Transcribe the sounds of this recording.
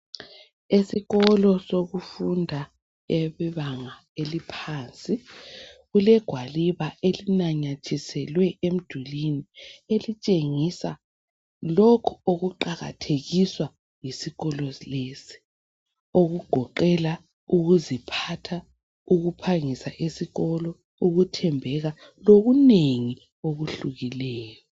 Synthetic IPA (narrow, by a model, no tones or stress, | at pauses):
esiɣɔlɔsoɣufundʱa | ɛβɛβaŋa | elipʰaːnt͡sʼi | ɣulɛɡ̥ʱwaliβaʔelinaɲat͡ʃʰisɛlwɛʔem̩d̥ʱulinielit͡ʃʼeŋisa | lɔkʰɔoɣuǃaɣa̰tʰeɣiswa | jisiɣɔlɔlesi̥ | oɣuɡ͡ǃ̥ʱɔǃɛla | uɣuzipʰatʰa | uɣupʰaŋisaʔisiɣɔlɔ | uɣutʰɛmbʱɛɣa | loɣuneŋi | oɣuɬuɣilɛːjɔ